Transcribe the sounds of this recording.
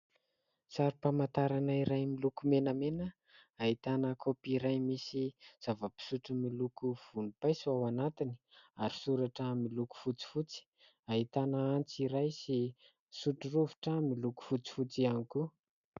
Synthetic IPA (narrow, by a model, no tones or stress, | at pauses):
saɾipamant̪aɾanaiɾajmilukumenəmenə | aɦit̪anəkʰopiɾajmisiz̥avəpi̥suʈ͡ʂumilukuv̥unipajsuawanat̪ini̥aɾi̥suɾaʈ͡ʂəmiluku̥fut͡si̥fut͡si̥ | ait̪anaant͡siɾajsi | suʈ͡ʂuruvu̥ʈ͡ʂamiluku̥fut͡si̥fut͡sianiku